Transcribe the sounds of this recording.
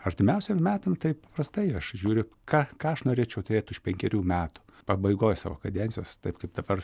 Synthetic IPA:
ɐrʲt̪ʲɪmʲɛʊsʲemmʲæːt̪ɐmt̪ɐɪpɐprɐst̪ɐɪɐʃʒʲuːɾʲɪkɑːkɑːɐʃnoːɾʲeːt͡ʃʲɛʊt̪ʊɾʲeːt̪ʲʊʃpʲɛŋʲkʲɛɾʲuːmʲæːt̪ʊ̥ | pɐbɐɪɡoːjsɑ̰ːʋo̰ːkɐd̪ʲɛnʲsʲɪjoːst̪ɐɪpkɐɪp̚d̪ɐbɐr

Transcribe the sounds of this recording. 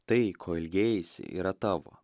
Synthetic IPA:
t̪ɐɪkʰoːɪlʲɡʲeːjɪsʲɪ̰ʔḭːɾɐt̪ɑːʋo̰ː

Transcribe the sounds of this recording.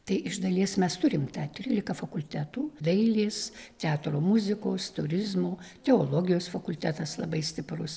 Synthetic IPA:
t̪ɐɪʔɪʒd̪ɐlʲiɛsmʲɛst̪ʊɾʲɪmt̪ɑːt̪ʲɾʲiːlʲɪkɐfɐkʊlʲt̪ʲæːt̪uːd̪ɐɪlʲeːst̪ʲɛɑːt̪ɾoːmʊzʲɪkoːst̪ʊɾʲɪzmoːt̪ʲɛoːlˠoːɡʲɪjoːsfɐkʊlʲt̪ʲæːt̪ɐslˠɐbɐɪsʲt̪ʲɪprʊs

